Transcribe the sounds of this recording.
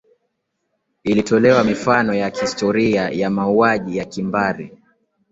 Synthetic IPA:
ilitɔlɛwamifanɔjahistɔɾiajamauaʄijakimbaɾḭ

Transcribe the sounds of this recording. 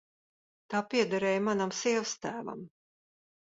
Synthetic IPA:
t̪aːpiɛd̪aɾɛːjmanamsiɛvst̪æːva̰m

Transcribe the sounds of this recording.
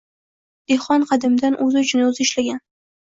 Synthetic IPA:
d̪̥eχɒnqʰɑd̪ɪmd̪anʔɵzɪt͡ʃʰɪnozɪʃlaɡʲan

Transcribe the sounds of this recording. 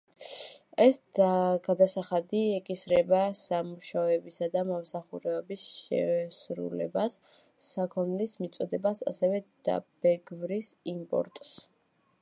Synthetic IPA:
ɛsaɡ̥ad̪asaχad̪iɛkʼisɾɛbasamuʃaɔɛbisad̪amɔmsaχuɾɛɔbisʃɛ̰sɾṵlɛ̰basː | akʰɔnlismit̪sʼɔd̪ɛbasa̰sɛvɛd̪̥a̰b̥ɛɡvɾisimpʼɔ̰ɾt̪ʼs

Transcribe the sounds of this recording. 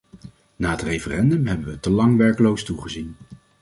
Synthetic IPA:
naːətrejfərɛndɵmɦɛbəʋətəlɑŋʋɛɹkəlowstuχəzin

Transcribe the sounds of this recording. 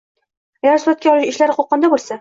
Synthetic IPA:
aɡʲaɾsʊɾat̪̚kʲaɒlɪʃɪʃlaɾqʰoqʰːɒnd̪abolˠsa

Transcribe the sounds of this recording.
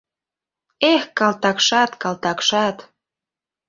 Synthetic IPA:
exkɑlt̪ɑkʃɑt̪kɑlt̪ɑkʃɑt̪

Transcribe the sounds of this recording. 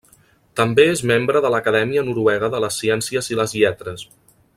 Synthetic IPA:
t̪əmbeezmembɾəðələkəðɛmiənuɾuwɛɣ̞əðələsːiɛnsiəziləzʎɛt̪ɾəs

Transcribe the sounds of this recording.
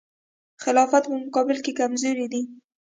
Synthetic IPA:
xɪlɑfat̪pəmʊkɑbɪlkekamzoɾid̪i

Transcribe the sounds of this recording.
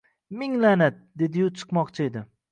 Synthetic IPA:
mɪŋlanat̪̚d̪e̞d̪ɪjʊt͡ʃʰɨ̥qmɒqt͡ʃʰɪe̞d̪ɪ

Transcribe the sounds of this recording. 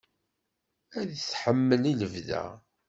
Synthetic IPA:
æðsħəmːəliləvðæ̰

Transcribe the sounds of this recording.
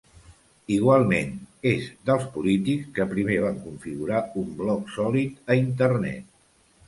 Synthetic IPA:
iɣwalˠmenezd̪əlˠspulit̪ikskəpɾimeβ̞aŋkuɱfiɣuɾaumblɔksɔlit̪əint̪əɾnɛ̰t̪̚

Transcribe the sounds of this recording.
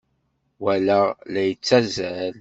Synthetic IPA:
wælælæjət͡sːæzəl

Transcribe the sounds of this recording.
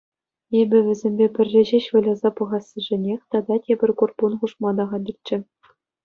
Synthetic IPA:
ebʲɘ̆ʋʲɘ̆zʲembʲepʲɘ̆rʲːɘ̆ʑeɕʋɤ̆lʲɑzɑpɤ̆ʁɑsːɤ̆ʐɘ̆nʲexʲt̪ɑd̪ɑtʲebʲɘ̆rʲkurpunχuʂmɑd̪ɑʁɑdʲirʲt͡ɕːɘ̆

